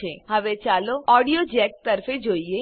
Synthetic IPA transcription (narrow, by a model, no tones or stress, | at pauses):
ẽɦɐʋet͡ʃaːloɔːɖijod͡ʒɛːk̚t̪ɐɾfed͡ʒoːie